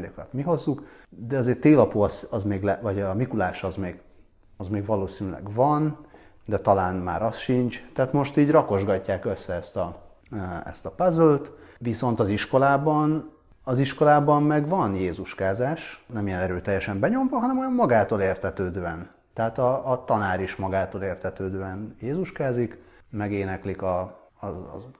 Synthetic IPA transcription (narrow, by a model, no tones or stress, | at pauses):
okɒt̪miɦo̞zːukd̪ɛɒzeːrt̪eːlɒpoːɒsɒzmeːɡlɛvɒɟɒmikulaːʃɒzmeːɡ | ɒzmeːɡʋɒloːsinylɛ̰ɡvɒnd̪ɛt̪ɒlaːnma̰ːɾɒsʃint͡ʃt̪ɛaːt̪mo̞ʃt̪iːɟrɒko̞ʒɡɒcːaːkø̞sːɛɛst̪ɒ | ɛ̰st̪ɒpazølt̪ʋiso̞nt̪ɒziʃko̞laːbɒn | ɒziʃko̞laːbɒmmɛɡvɒnjeːzuʃkaːzaːʃnɛmijɛnɛɾøːt̪ɛjːɛʃɛmbɛɲo̞ɱvɒɦɒnɛmojɒmmɒɡaːt̪oːleːrt̪ʰɛt̪øːd̪øːɛn | t̪ɛɦaːt̪ɒːt̪ɒnaːɾiʃmɒɡaːt̪oːleːrt̪ʰɛt̪øːd̪øːɛnjeːzuʃkaːzik | mɛɡeːnɛklikɒ̰